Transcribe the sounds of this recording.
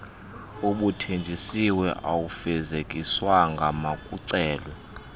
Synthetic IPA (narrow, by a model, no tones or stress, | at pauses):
uɓutʰend͡ʒʼʱisiwɛʔawufɛzekʼiswaŋɡʱamakʼuǀɛːlwɛ